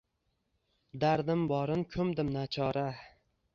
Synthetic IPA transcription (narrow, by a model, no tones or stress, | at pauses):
d̪aɾd̪ɪmbɒɾɪnkʲʰɵmd̪ɪmnat͡ʃʰɒɾa